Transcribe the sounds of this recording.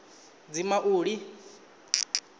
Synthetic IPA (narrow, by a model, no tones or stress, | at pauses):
d͡zimaʔuːɺi